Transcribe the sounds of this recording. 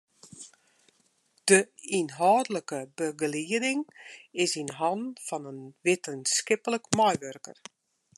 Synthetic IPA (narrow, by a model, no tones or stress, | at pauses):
d̥əinɦɔːdələkəbəɡəliədɪŋɪsinɦɑnfɑnənʋɪtʰənskɪpələkmɔjʋørkə̰r